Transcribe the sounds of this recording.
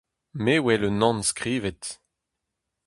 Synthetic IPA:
meːwɛlənɑ̃nskʁiːvɛt

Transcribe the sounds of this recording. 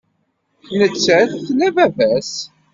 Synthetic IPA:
θnət͡sːæθθlævævæs

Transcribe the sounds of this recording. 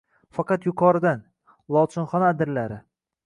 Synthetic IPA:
fɑqɑt̪jʊqʰɒɾɪd̪an | lˠɒwt͡ʃ̪ʰɪnχɒnaːd̪ɪɾlaɾɪ

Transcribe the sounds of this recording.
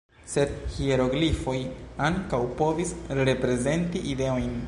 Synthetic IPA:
se̞dhieɾo̞ɡlifo̞jaŋkawpo̞visɾe̞pɾe̞ze̞ntiʔide̞o̞jn

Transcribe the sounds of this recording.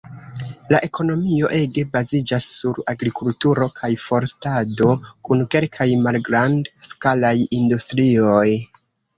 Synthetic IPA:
laʔe̞kʰo̞no̞mio̞ʔe̞ɡe̞bazid͡ʒasːuɾaɡɾikultuɾo̞kʰajfo̞ɾstado̞kunke̞lkʰajmalɡɾandskalajindustɾio̞j

